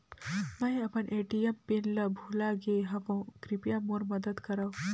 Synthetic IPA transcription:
mɐ̃ĩɐpənʔeʈijempinləbʱulaɡeɦɐʋõkɾipijamoɾmɐd̪əd̪kɐɾɐw

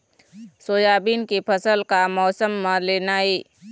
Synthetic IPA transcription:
soːjaːbiːnkepʰəsəlkamɔːsəmːaleːnaːeː

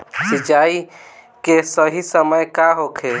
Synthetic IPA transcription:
sɪd͡ʒaːi | kesəɦisəməjkaɦokʰe

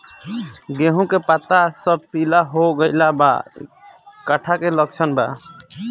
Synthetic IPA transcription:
ɡeɦũkepat̪asəb̚pilaɦoɡəjlaba̰ | kaʈʰakelək̚t͡ʃʰənba

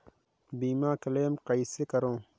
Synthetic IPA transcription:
biːmãːkɐleːmqɐisekɐɾõː

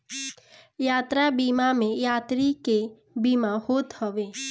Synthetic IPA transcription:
jaːt̪ɾabimamẽjaːt̪ɾike | bimahoːt̪həʋeː

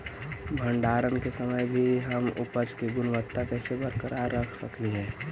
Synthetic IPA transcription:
bʱəɳɖaːɾənkesəməjbʱiɦəmʊ̰pəd͡ʒkeɡʊnʋət̪ːakɛːsebəɾkəɾaɾːəkʰsəkliɦɛ̃ː

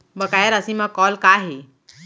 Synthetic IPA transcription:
bəkaːjəɾəsĩmãkɔːlkaɦe

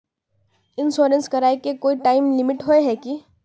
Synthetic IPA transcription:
ɪnsoːɾə̃nskɐɾaːekekoːiʈaːɪmlɪmɪʈɦoeɦɛːki

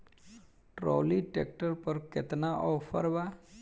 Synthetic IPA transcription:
ʈɾoːliʈek̚ʈəɾpəɾkɪt̪naʔɔːfʰə̰ɾʋa

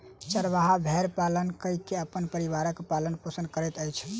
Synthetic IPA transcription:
t͡ʃəɾʋaɦabʱeɾpalənkəjkːeəpənpəɾiʋaɾəkpalənpusənkəɾɛt̪əjt͡ʃʰ

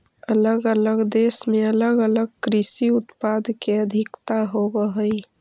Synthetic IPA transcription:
ələɡələɡd̪esmeələɡələɡ̚kɾɪsiʊt̪pad̪keəd̪ʱɪkt̪aɦobəɦəi

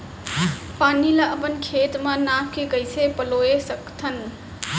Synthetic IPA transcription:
paːniləʔəpənkʰeːt̪mə̃nakʰkeɡəjsʰepəloesəkt̪ʰən

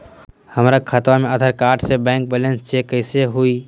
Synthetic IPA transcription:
həmɾakʰət̪wamẽəd̪ʱəɾkaːɾʈsebɛ̃ːŋk̚bɛːlẽnst͡ʃʰekəɪseɦui

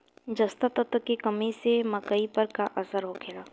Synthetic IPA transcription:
d͡ʒɐst̪at̪ət̪əkekɐmẽsemɐkəipɐɾkaʔɐsəɾɦokʰeɽaː

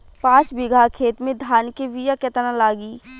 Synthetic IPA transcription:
pãːt͡ʃbɪɡʱakʰeːt̪mẽd̪ʱaːnkeʋijaket̪ənãlaːɡiː

